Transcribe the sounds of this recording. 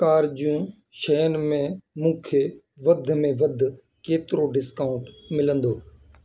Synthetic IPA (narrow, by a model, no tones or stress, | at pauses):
kaːɾd͡ʒjũː | ʃɛːnmẽːmũːkʰeː | ʋəd̪ʱmẽʋəd̪ʱ | keːt̪ɪɾoɖɪskaːʊ̃ɳʈ | mɪlə̃nd̪oː